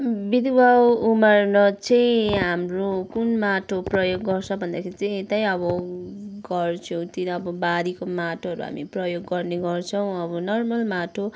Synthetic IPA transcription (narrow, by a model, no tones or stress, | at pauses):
bid̪ibawumʌrnʌt͡sʌjɦamrokunmaʈʰoprʌjoɡːʌrt͡sʰʌbʱʌnd̪akʰeɾit͡sʌĩet̪ajʌbʌ | ɡʌrt͡sʰʌw̃t̪inʌːbʌbad̪ikomaʈʰoʌɾṵɦa̰miprʌjoɡːʌrneɡʌrt͡sʰʌw̃ʌbʌnʌrmʌlmaʈʰo